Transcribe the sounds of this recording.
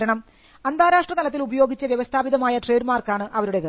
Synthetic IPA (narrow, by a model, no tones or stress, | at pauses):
ɾɐɳɐm | ɐnd̪ʱaːɾaːʂʈrɐt̪ɐlɐt̪ːilubɐjo̞ːɡit͡ɕːɐʋjɐʋɐst̪ʰaːbiðɐmaːjɐʈreːɖmaːrkaːɳɨʔɐʋɐɾuɽe̞ðɨ